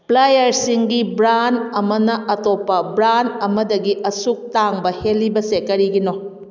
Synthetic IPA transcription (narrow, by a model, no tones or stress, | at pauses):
plajɐɾsiŋɡibɾanɐmɐnɐʔɐtopːɐbɾanɐmɐdɐɡiʔɐsuk̚taŋbɐhelːibɐsekɐɾiɡino